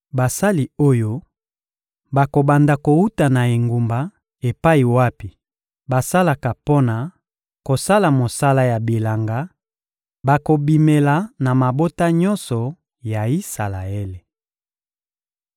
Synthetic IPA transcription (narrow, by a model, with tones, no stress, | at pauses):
ba˨sa˦li˨o˦jo˦ | ba˨ko˨ba˨nda˨ko˨u˦ta˨na˨e˨ŋɡu˨mba˨ | e˨pa˦i˨wa˦pi˨ | ba˨sa˦la˨ka˨po˦na˨ | ko˨sa˦la˨mo˨sa˦la˦ja˨bi˨la˨ŋɡa˦ | ba˨ko˨bi˨me˨la˨na˨ma˨bo˦ta˦ɲɔ˦nsɔ˨ | ja˨i˦sa˨la˨e˦le˨